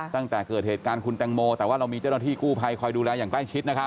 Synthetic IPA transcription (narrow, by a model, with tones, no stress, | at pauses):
t̪a˥˩ŋt̪ɛː˨˩kɤː˨˩t̪̚heː˨˩kaː˧nkʰu˧nt̪ɛ˧ŋmoː˧t̪ɛː˨˩waː˥˩ɾa˧wmiː˧t͡ɕa˥˩na˥˩t̪iː˥˩kuː˥˩pʰa˧jkʰɔː˧jduː˧lɛː˧jaː˨˩ŋkla˥˩jt͡ɕʰi˦˥t̪̚na˦˥kʰa˦˥